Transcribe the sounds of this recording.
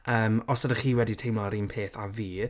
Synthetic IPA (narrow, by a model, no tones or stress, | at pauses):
əːmɔsadəχiːwɛdɪtʰejmlɔɾinmpʰeːθaviː